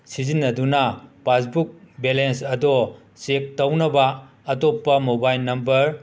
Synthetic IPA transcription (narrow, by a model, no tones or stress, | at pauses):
sizinːɐdunɐpasbuk̚belensɐdɔ | sek̚tɐwnɐbɐː | topːɐmobajlnɐmbɐɾ